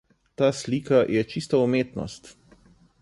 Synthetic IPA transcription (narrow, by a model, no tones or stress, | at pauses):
t̪aːsliːkajʔɛt͡ʃist̪aumeːt̪nɔ̰st̪